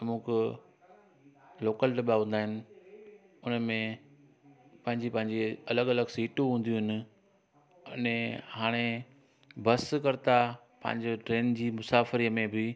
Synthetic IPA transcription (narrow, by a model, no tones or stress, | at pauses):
mũːk | loːkəlʈɐɓaɦʊ̃ːn̆d̪aːɦɪnɪ̆ | ʊnəmẽ | pɐ̃ɦɪ̃ɲd͡ʑipɐ̃ɦɪ̃ɲd͡ʑeɐləɡɐləɡsiːʈuɦũːn̆d̪iũɦɪnɪ̆ | ʊnẽhaːɽ̃e | bɐskɐɾɪt̪a | pɐ̰̃ɦɪ̃ɲd͡ʑoʈɾeːnd͡ʑiːmʊsaːfɾiːəmẽbɪ